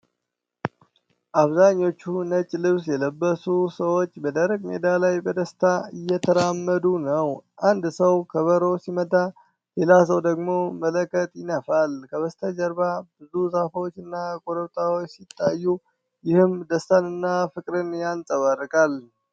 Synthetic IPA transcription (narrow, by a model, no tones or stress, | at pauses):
ʔaβzaɲːo̞t͡ʃːunət͡ʃʼːlɨβsjɛləbːəsusəwo̞t͡ʃːbəd̪əɾəɡ̚med̪alajbəd̪əst̪ʰaɨjːɛt̪ʰəɾamːəd̪unəwʔand̪səwkʰəβəɾo̞simət̪ʼa | lelas̬əwd̪əɡmo̞mələkʰːət̪ʼjɪnəfalkʰəβəst̪ʰəd͡ʒəɾbab̥ɨzuzafəwot͡ʃːɨnːakʼoɾəβt̪ʼawot͡ʃːsit̪ʼːajːu | jɪhɨmd̪əst̪ʰanɨnːafɨkʼɾɨnjansʼəβərːɨkʼal